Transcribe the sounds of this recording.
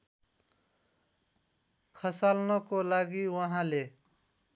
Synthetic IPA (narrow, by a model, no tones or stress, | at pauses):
kʰʌsalnʌkolaɡiwʌɦãle